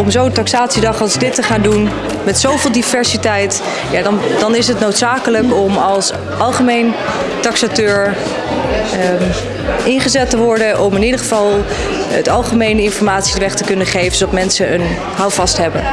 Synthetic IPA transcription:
ɔmzowəntɑksaːtsidɑχɑlˠsədɪtəχaːndun | mɛtsowvɪːlˠdivɛɹsitɛjt | jadɑnd̥ɑnɪsɦətnowtsaːkələkɔmɑlˠs | ʔɑlˠχəmejntɑksatøːɹ | ʔɪnχəzɛtəʋɔɹdəʔɔmɪnidəχəvɑlˠ | ə̰tɑlˠχəmejnəɪnfɔɹmaːtsidəʋɛχtəkɵnəχejvəsoɑfmɛnsəən | ɦawfɑstɦɛbən

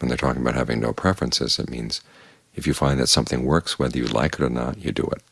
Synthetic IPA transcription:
wə̃nðə˞tʰɔkɪ̃ŋəbaʊt̚hævɪ̰̃ŋno̰ʊpʰɹ̥ɛfɹɨ̃nsɪ̰z̥ɨ̰t̚mḭ̃nz̥ | ɨfjɨfãɪ̃nðɨtsʌ̃mθɪ̃ŋwɜ˞kswɛðə˞jɨla̰ɪkɨɾə˞nə̰tɨdɨ̰ɪ̰t̚

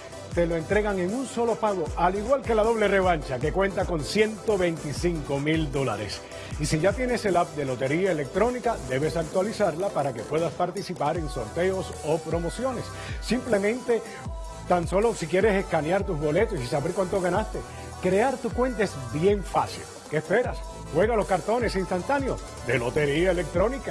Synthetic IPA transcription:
t̪e̞lo̞e̞nt̪ɾe̞ɣaŋe̞ŋunso̞lo̞paɣo̞aliɣwalke̞laðo̞β̞le̞re̞β̞aɲt͡ʃake̞kwẽ̞nt̪ako̞nsje̞nt̪o̞βe̞jnt̪isiŋko̞mild̪o̞la̰ɾe̞̰s | isiʝat̪je̞nese̞lap̚d̪e̞lo̞t̪e̞ɾiaele̞k̚t̪ɾo̞nikad̪e̞βe̞sak̚t̪walisaɾlapaɾake̞pwe̞ðaspaɾt̪isipaɾe̞ŋso̞̰ɾt̪e̞o̞so̞pɾo̞mo̞sjo̞ne̞sː | imple̞mẽ̞nt̪e̞ | t̪anso̞lo̞sikje̞ɾe̞se̞skanjaɾt̪uzβo̞le̞t̪osisaβeɾkwant̪o̞ɣanast̪e̞ | kɾe̞aɾt̪ukwe̞nt̪aezbje̞ɱfasḭl | keːspe̞ɾas | xwe̞ɣalo̞skaɾt̪o̞ne̞sinst̪ant̪anjo̞ | d̪e̞lo̞t̪e̞ɾiaele̞k̚t̪ɾo̞nika

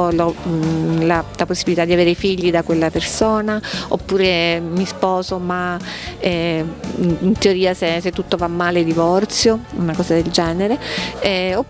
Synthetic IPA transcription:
lɔ | lalaposːibilit̪ad̪iaveːɾefiʎːid̪akwelːapersoːnao̰pːuːɾemispɔːzomaɛ | int̪eoɾiːaseset̪ːut̪ːovamːaːled̪ivɔrt̪sjounakɔːzad̪eld͡ʒɛːneɾeɛo

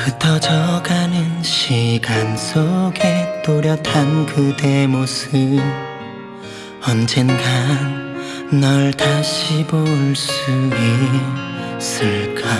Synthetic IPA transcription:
kɯtʰʌd͡ʑʌɡanɯnɕʰiɡansʰoɡet͈oɾjʌtʰankɯdemosɯ | ʌnd͡ʑenɡanː | ʌɭtaɕʰiboɭs͈ue | s͈ɯɭk͈a

